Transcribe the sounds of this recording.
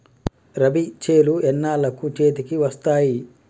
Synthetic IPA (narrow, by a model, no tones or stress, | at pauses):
ɾɐbit͡ʃeːluɛnːaːlɐkut͡ʃe̞ːt̪̬ikiʋɐst̪aːji